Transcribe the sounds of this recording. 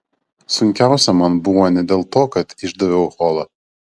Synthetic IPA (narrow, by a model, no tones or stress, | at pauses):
sʊŋʲkʲæˑʊsʲɛmɐnbʊʋoːnʲɛd̪ʲeːlˠt̪oːkɐt̪ɪʒd̪ɐʋʲɛʊxoːlˠɐ